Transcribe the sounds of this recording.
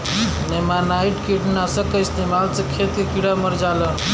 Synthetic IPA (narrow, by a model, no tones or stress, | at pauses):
nemanaiʈkʰiʈnasəkəist̪emalt͡səkʰet̪kekiɽaməɾd͡zalə